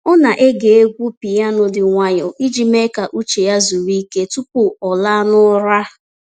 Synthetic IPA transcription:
ʊ˦na˨ʔe˦ɡe˨e˦ɡʷu˦pi˨ja˦nʊ˦dɪ˨ŋʷa˦ɲɔ˨i˦d͡ʒi˨me˦ka˨ʔu˦t͡ʃe˨ja˦zu˨ɾi˦ke˦tu˦pʊ˨ɔ˨la˦nʊ˦ɾa˦

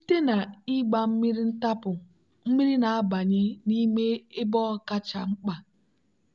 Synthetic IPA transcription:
ni˦te˦na˨i˦ɡ͡ba˨m̩˦mi˦ɾi˦n̩˦ta˦pʊ˨ | m̩˦mi˦ɾi˦na˨a˦ba˨ɲɪ˦ni˦me˦e˦bɔ˦ka˦t͡ʃa˨ŋ͡m̩˦k͡pa˨

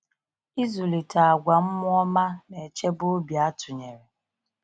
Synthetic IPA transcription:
i˦zu˨li˨ta˨a˨ɡʷa˨m̩˦mʊ˦ɔ˦ma˦ne˨e˨t͡ʃe˦bʊ˦o˦bja˦tʊ˨ɲe˨ɾe˨

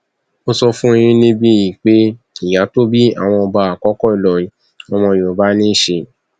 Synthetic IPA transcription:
o˦sɔ˧fũ˦i˧j̃ĩ˦nĩ˦bi˦ji˨k͡pe˦ | i˨ja˨˦to˦bi˦a̰˦˨w̃ɔ̃˧ɔ˧ba˧a˨kɔ˨˦kɔ˦i˨lɔ˨i˨ | ɔ˧mɔ̃˧˨o˨˦ba˦nĩ˦ʃe˧

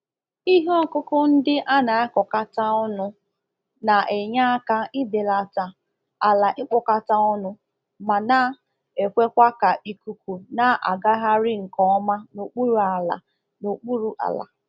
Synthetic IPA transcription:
i˦ɦɔ˦˨kʊ˦kʊ˦n̩˦dɪ˦ʔa˦na˨a˦kɔ˨ka˦ta˦ɔ˦nʊ˦ | na˨ʔe˨ɲa˦ka˦ɪ˦de˨la˨ta˨ | a˨la˨ʔɪ˦k͡pɔ˨ka˨ta˦ɔ˦nʊ˦ | ma˨na˦ | e˨kʷe˦kʷa˦ka˨ʔi˨ku˨kʷu˨na˨˦ʔa̰˨ɡa˦ɦa˦ɾɪ˦ŋ̩˨kɔ˦ma˦no˨k͡pu˦ɾu˨a˨la̰˨ | no˨k͡pu˦ɾu˦ʔa̰˨la̰˨

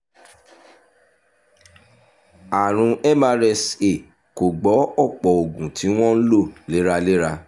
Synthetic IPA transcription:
a˨ɾ̃ũ˧ʔɛ˦ma˧ɾɛ˧se˨ | ko˨ɡ͡bɔ˨˦ɔ˦˨k͡pɔ˨o˨ɡũ˨tʰi˨˦w̃ɔ̃˦n̩˦lo˦˨le˨˦ɾa˧le˦ɾa˧

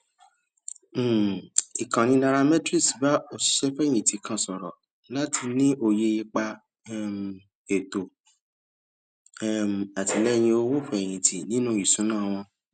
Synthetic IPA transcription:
i˨kã˨nĩ˧˦nã˧ɾa˧mɛ̃˦tɾi˦˨sba˦o˦˨ʃi̥˨˦ʃɛ˦fɛ̃˦˨ĩ˨ti˨kã˦˨sɔ˨ɾɔ̰˨ | la˦ti˧nĩ˦ʔo˧je˧i˧k͡pa˧˦˨ | m˨ | e˨to˨˦˨ | m̩˨a˨ti˧lɛ˦˧j̃ĩ˧o˧wo˦fɛ̃˨ĩ˨tʰi˨nĩ˦nũ˦˨i˨sũ˨˦nãː˦˨˧w̃ɔ̃˧

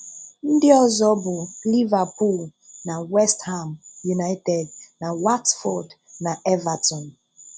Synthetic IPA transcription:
n̩˦dɪ˦ɔ˦zɔ˦bu˨li˦va˨pu˦˨l | na˨wɛ˦sthã˨mju˨na˦ɪtɛ˨dna˨wa˦tfɔ˨dna˨ʔɛ˦va˨tɔ̃˨n

